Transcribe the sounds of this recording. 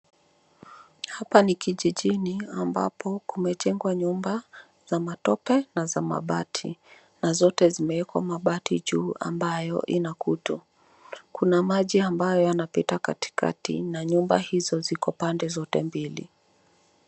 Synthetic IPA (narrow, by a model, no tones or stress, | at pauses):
hapanikiʄiʄiniamba̰pʰɔkumɛt͡ʃɛŋɡwaɲumba | z̥amatɔpɛnazama̰ɓatʰi | nazɔtɛzimɛɛkwa̰maɓatiʄuːa̰mbajɔ̰ʔinakutu | kunamaʄiambajɔjanapitakati̥ka̰tḭnaɲumba̰hizɔzikɔpandɛzɔtɛmbilḭ